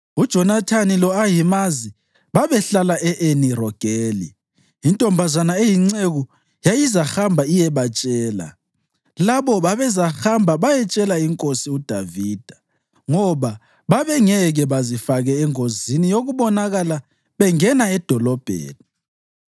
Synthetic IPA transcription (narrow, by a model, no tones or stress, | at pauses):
ud̥ʒ̥ʱɔnatʰanilɔajimazi | βaβɛɬalaʔɛʔenirɔɡ̥ʱeːlḭ | intʼɔmbʱazanaejiŋ͡ǀeɣu | jajizaxambʱaijɛβat͡ʃʼɛːla̰ | laβɔβaβɛzaxambʱaβajɛt͡ʃʼɛlaiŋkʼosiud̥ʱaviːd̥ʱḁ | ŋɔβa | βaβɛŋɛɣɛβazifaɣɛːŋozinijoɣuβɔnaɣala | βɛŋɛnaɛd̥ʱɔlɔb̥ʱḛːni